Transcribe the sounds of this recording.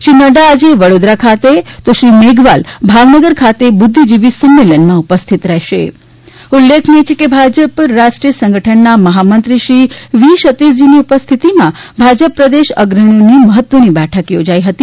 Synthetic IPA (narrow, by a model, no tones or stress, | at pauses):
ʃɾinəɖaːd͡ʒeʋəɽod̪ɾakʰat̪et̪oʃɾimeɡʋalbʱaʋnəɡəɾkʰat̪ebʊd̪ʱːid͡ʒiʋisəmːelənmãupəst̪ʰit̪ɾɛɦʃḛ | ulːekʰnet͡ʃʰekebʱad͡ʒəpɾaʃʈɾijəsə̃ŋɡəʈʰənːaməɦamənt̪ɾiʃɾiʋiʃət̪es̬d͡ʒiniupəst̪ʰit̪imãbʱad͡ʒəpːɾəd̪eʃəɡɾəɳ̃oniməɦət̪ːʋənibɛʈʰəkjod͡ʒaiɦət̪i